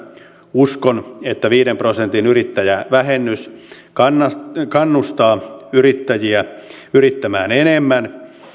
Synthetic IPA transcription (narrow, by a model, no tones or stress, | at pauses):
uskonet̪ːæʋiːɾemprosent̪inyrit̪ːæjæʋæɦenːys | kɑnːɑkɑnːust̪ɑːyrit̪ːæjiæ | yrit̪ːæmæːnenemːæn